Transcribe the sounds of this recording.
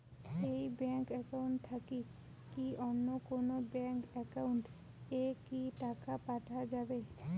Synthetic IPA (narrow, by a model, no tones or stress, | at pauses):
ejbɛŋkɛkauɳʈt̪ʰaki | kiʔɔnːokonobɛŋkɛkauɳʈ | ekiʈakapaʈʰad͡ʑabe